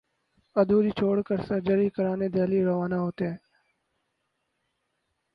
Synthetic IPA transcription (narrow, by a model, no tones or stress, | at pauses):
ɐd̪uːɾiːt͡ʃʰoːɽkəɾsɐɾd͡ʒəɾiːkəɾaːneːd̪eːliːɾɐʋaːnaɦoːt̪eɦɛ̃ː